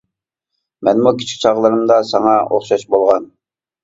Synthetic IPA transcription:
mɛnmukʲi̥t͡ʃʰkʲt͡ʃʰɑʁlˠɨɾɨmd̪ɑsɑŋɑo̰χʃɑʃbolˠʁɑn

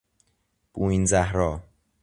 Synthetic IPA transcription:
b̥uinzæhɾɒː

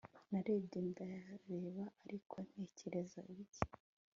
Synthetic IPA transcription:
naɾeːbɟendajaɾeːβaaɾikʰo̞n̥he̞ːceɾe̞zaiβiɟe

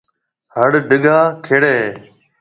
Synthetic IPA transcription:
ɦəɽɖɪɠaːkʰeːɽeː

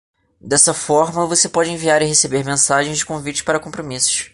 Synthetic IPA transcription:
d̪ɛsɐfɔɾmɐvosepɔd͡ʒɪẽviaɾɪɦesebeɾmẽsaʒẽj̃zd͡ʒɪkõvit͡ʃɪ̥paɾɐkõpɾomisʊ̥ʃ

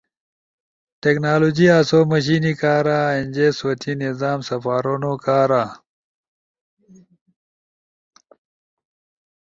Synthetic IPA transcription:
ʈeknaːloːd͡ʑiaːsoːməɕ̬iːnikaːɾaːenʲd͡ʑesɐt̪ʰinizaːmsɐfaːɾonokaːɾaː

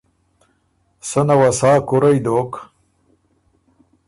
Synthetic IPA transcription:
sənawasaːkuɾajd̪ok

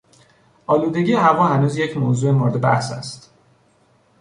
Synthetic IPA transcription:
ʔɒːluːd̪e̞ɟijeɦævɒːɦænuːzje̞cʰmoːzuːe̞moɾed̪ebæ̰hsæ̰st̪

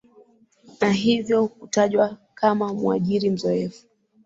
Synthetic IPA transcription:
naɦivjɔhutaʄwakamamṵaʄiɾim̩zɔɛfu̥

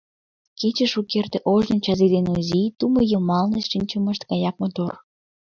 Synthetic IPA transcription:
ket͡ɕəʃukert̪eʔoʒnɤnʲt͡ɕɑzid̪enuzit̪umojəlmɑlnesʃinʲt͡ɕəməʃt̪ɡɑjɑk̚mot̪or

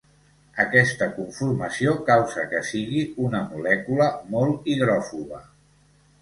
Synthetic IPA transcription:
əkɛst̪əkuɱfurməsiokawzəkəsiɣiunəmulɛkuləmolˠt̪iðɾɔfuβə

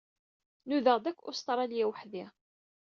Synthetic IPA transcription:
nuðəʁd̪ækʷːʊst̪ˤɾˤɑljæwəħði

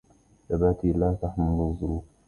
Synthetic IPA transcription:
θabaːt̪iːlaːt̪aħmʊlʊzˤːʊɾuː

